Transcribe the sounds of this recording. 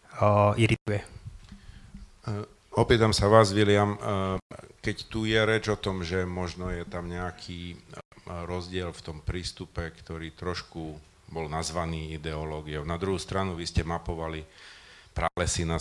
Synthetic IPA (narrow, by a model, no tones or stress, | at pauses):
iɾit̪ujɛ | ɔpiːt̪amsaʋaːzʋilɪam | kɛct̪ujɛɾɛd͡ʒɔt̪ɔmʒɛmɔʒnɔjɛt̪amɲɛakʰiː | ɾɔzɟɪɛlft̪ɔmpɾiːst̪upɛkt̪ɔɾiːt̪ɾɔʃku | bɔlnazʋaniːid̪ɛɔlɔːɡiɔʊnad̪ɾuɦuːst̪ɾanuʋiscɛmapɔʋalipɾaːlɛsina